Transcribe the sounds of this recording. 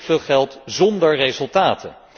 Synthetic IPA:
fɪːχɛlˠtzɔndəɹrezɵlˠtaːtʰə̰

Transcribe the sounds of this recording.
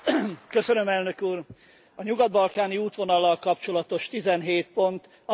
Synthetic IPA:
køsønø̞mɛlnø̞kuːr | ɒɲuɡɒd̪̚bɒlkaːniuːt̪ʋo̞nɒlːɒlkɒpt͡ʃo̞lɒt̪o̞ʃt̪izɛnɦeːt̪̚po̞nt̪ | ɒ

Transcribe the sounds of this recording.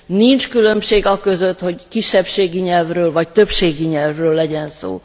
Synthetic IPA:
nint͡ʃkylø̞mʃeːɡɒkø̞zø̞t̪ho̞ɟkiʃːɛpʃeːɡiɲɛlvrøːlvɒct̪ø̞pʃeːɡiɲɛlvrøːlːɛɟɛnso̰ː

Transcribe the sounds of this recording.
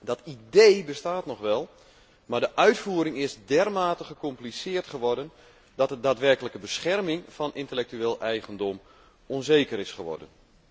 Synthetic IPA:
dɔtidejbəstaːtnɔχʋɛlˠ | mardəʔœɥtfuəɾɪŋɪsdɛrmaːtəχəkɔmplisɪːrtχəʋɔrdən | d̥ɔtədaːtʋɛrkələkəbəsxɛrmɪŋfɔnɪntəlɛk̚tyeːlˠɛjɣəndɔm | onzeːkəɾɪsχəʋɔ̰rdən

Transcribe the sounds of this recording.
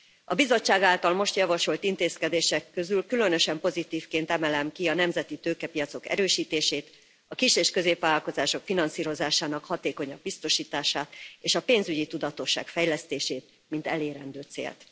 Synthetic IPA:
ɒbizo̞t͡ʃːaːɡaːlt̪ɒlmo̞ʃt̪jɒvɒʃo̞lt̪int̪eːskɛd̪eːʃɛkːø̞zylkylø̞nøʃɛmpo̞zit̪iːfkeːnt̪ɛmɛlɛmkiɒnɛmzɛt̪it̪øːkɛpijɒt̪so̞kɛ̰ɾøːʃiːt̪eːʃeːt̪ | ɒkiʃeːʃkø̞zeːpʋaːlɒlko̞zaːʃo̞kfinɒnsiːɾo̞zaːʃaːnɒkhɒt̪eːko̞ɲɒb̚bist̪o̞ʃiːt̪aːʃaːt̪eːʃɒpeːnzyɟit̪ud̪ɒt̪o̞ʃːa̰ːkfɛjlɛst̪eːʃeːt̪̚ | mint̪ɛleːɾɛnd̪øːt̪sḛːlt̪

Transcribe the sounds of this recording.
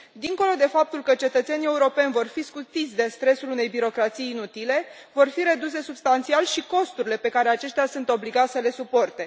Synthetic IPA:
d̪iŋko̞lo̞d̪e̞fap̚t̪ulkət͡ʃe̞t̪ət̪se̞nie̞uɾo̞pe̞nʲvo̞rfiskut̪it̪sʲd̪e̞st̪ɾe̞sulune̞jbiɾo̞kɾat̪sijːnut̪ile̞ | vo̞rfiɾe̞d̪us̬e̞subst̪ant̪sialʃiko̞st̪uɾile̞pe̞kaɾe̞at͡ʃe̞ʃt̪ʲasunt̪o̞bliɡat̪ʲsəle̞supo̞rt̪e̞

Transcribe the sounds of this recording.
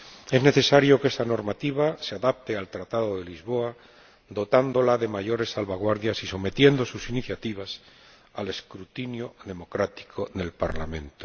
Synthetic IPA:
e̞zne̞θesaɾjo̞ke̞st̪ano̞ɾmat̪iβ̞aseaðap̚t̪e̞alt̪ɾat̪aðo̞ðe̞lizβo̞a | d̪o̞t̪and̪o̞laðe̞maʝo̞ɾe̞sːalβaɣ̞waɾðjasiso̞me̞t̪je̞nd̪o̞susiniθjat̪iβ̞as | ale̞skɾut̪injoðe̞mo̞kɾat̪i̥kʰoðe̞lpa̰ɾla̰mẽ̞nt̪o̥

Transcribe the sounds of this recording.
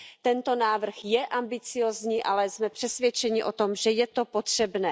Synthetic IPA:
t̪ɛnt̪o̞naːvr̩xjɛʔambɪt͡sɪjoːzɲiːʔalɛzmɛpr̝̥ɛsvjɛt͡ʃɛɲɪʔot̪o̞mʒɛjɛt̪o̞po̞t̪r̝̥ɛbnɛː

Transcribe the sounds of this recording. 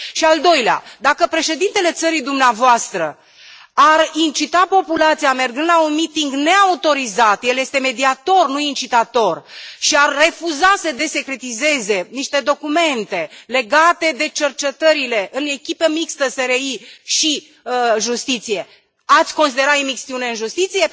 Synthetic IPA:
ʃiald̪o̞jlea̰d̪akəpɾe̞ʃe̞d̪int̪e̞le̞t̪səɾid̪umneavoast̪ɾə | arint͡ʃit̪apo̞pulat̪sijame̞rɡɨnd̪launmit̪iŋɡne̞aut̪o̞ɾizat̪je̞lje̞st̪e̞me̞d̪iat̪o̞rnuint͡ʃit̪at̪o̞rʃiarːe̞fuzasəd̪e̞se̞kɾe̞t̪ize̞ze̞niʃt̪e̞d̪o̞kume̞nt̪e̞le̞ɡat̪e̞d̪e̞t͡ʃe̞rt͡ʃe̞t̪əɾile̞ʔɨne̞kʲipemikst̪əse̞ɾeiʃi | ʒust̪it̪sije̞ | at̪sʲko̞nsid̪e̞ɾat̪imiksiune̞ɨnʒust̪it̪sije̞

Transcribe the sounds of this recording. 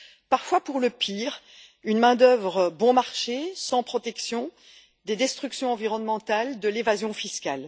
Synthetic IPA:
paʁfwapuʁləpʰiʁ | ynmɛ̃d̪œvʁəbɔ̃maʁʃesɑ̃pχɔt̪ɛksjɔ̃ | d̪ed̪ɛst̪χyksjɔ̃ɑ̃viʁɔnmɑ̃t̪ald̪əlevazjɔ̃fiskʲal

